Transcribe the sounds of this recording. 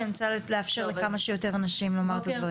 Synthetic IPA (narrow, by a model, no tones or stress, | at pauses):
nimt͡saleafʃe̞ʁlekamaʃejo̞te̞ʁanaʃimlo̞maʁt̪ad̪vaʁ